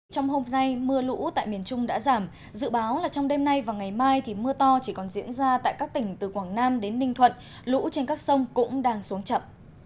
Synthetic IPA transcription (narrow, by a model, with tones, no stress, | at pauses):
t͡ɕɔ˧wŋ͡mho˧mna˧jmɨ˧əlṵ˧˥t̪a̰ː˧˨jmi˨˩ənt͡ɕʊ˧ŋ͡mɗa̰ː˧˥zaː˧˩m | zɨ̰˧˨ɓaː˨˦wlaː˨˩t͡ɕɔ˧wŋ͡mɗe˧mna˧jvaː˨˩wŋa˨˩jmaː˧jt̪ʰi˨˩mɨ˧ət̪ɔ˧t͡ɕi˧˩kɔ˨˩nzḭ˧˥ənzaː˧t̪a̰ː˧˨jkaː˦˥k̚t̪ï˩ŋ̟t̪ɨ˨˩kwaː˧˩ŋnaː˧mɗe˨˦nːï˧˩ŋt̪ʰwə̰˧˨n | lṵ˧˥t͡ɕe˧nkaː˦˥k̚sə˧wŋ͡mkʊ̰˧˥ŋ͡mɗaː˧ŋsu˨˦əŋt͡ɕə̰˧˨m